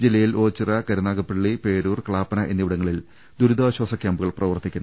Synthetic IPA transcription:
d͡ʑilːɐjilo̞ːt͡ɕːirɐkɐɾunaːɡɐpːeɭːipeːɾuːrkɐɭaːpːɐnɐʔḛnːiʋiɽɐŋːɐɭil | d̪uɾud̪aːɕwaːsɐkʲjaːmbuɣɐɭprɐʋɐrt̪ːikʲːunː

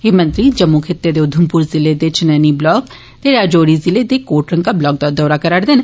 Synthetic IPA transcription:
eːmə̃nt̪ɾiːd͡ʒəmːukʰɪt̪ːeːd̪eːʊd̪ʱːəmpuːɾzɪleːd̪et͡ʃɪnəniːblɔːɡ | t̪eːɾaːd͡ʒoːɾiːzɪleːd̪eːkoːʈɾəŋkaːblɔːɡ̚d̪ad̪ɔːɾaːkəɾaɽd̪ɪn

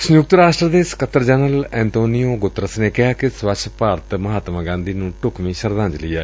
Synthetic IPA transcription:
sʊjʊk̚t̪əɾaːʃʈɾəd̪eːsə̥kət̪ːəɾd͡ʒɛnəlɛ̃ːnt̪oːnijoːɡʊt̪ːɾəsneːkɪɦaːkɪswət͡ʃʰpaːɾt̪məɦaːt̪maːɡãːnd̪iːnũːʈʊkmĩːʃəɾd̪ãːɲd͡ʒlɪjaː

